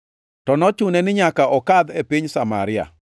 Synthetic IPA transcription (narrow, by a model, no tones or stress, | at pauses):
tɔnɔt͡ʃunɛnɪɲakaʔɔkad̪epiɲsama̰ɾɪa̰